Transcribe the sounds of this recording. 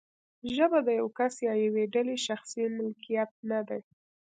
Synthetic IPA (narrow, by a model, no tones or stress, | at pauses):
ʒəbad̪əjawkasjɑjaweɖaleʃaxsimʊlkijat̪̚nad̪aj